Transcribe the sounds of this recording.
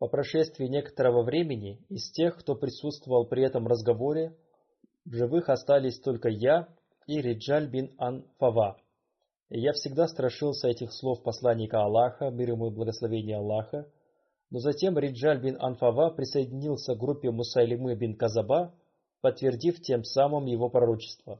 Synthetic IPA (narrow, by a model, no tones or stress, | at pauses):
pəpɾɐʂɛst̪vʲɪɪnʲe̞kə̥t̪əɾəvəvɾʲemʲɪnʲɪɪsʲtʲe̞xkt̪o̞pɾʲɪsut̪st̪vəvəlˠpɾʲɪɛt̪əmrəzɡɐvo̞ɾʲɪ | vʐɨvɨxɐst̪alʲɪsʲt̪o̞lʲkəja | iɾʲɪʐalʲbʲinɐnfɐva | jafsʲɪɡd̪ast̪ɾɐʂɨlˠsʲəɛtʲɪxslˠo̞fpɐslˠanʲːɪkəɐlˠːaxəmʲiɾəmojblˠəɡəslˠɐvʲenʲɪjəɐlˠːaxə | no̞zɐtʲe̞mɾʲɪʐalʲbʲinɐ̰nfɐvapɾʲɪsəjɪdʲɪnʲilˠsʲəvɡɾupʲːɪmʊsalʲɪmɨbʲinkɐzɐba | pət̪ːvʲɪrdʲiftʲe̞msamɨmjɪvo̞pɾɐɾo̞t͡ɕɪ̥st̪və